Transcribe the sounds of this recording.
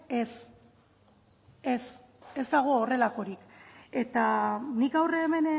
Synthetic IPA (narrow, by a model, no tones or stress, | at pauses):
es | es | e̞zd̪aɣ̞o̞ːre̞lako̞ɾike̞t̪anikɡawreːme̞n